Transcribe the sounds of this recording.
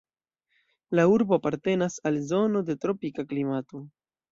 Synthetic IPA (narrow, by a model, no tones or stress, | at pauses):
lauɾbo̞apaɾte̞nasalzo̞no̞de̞tɾo̞pikaklimato̞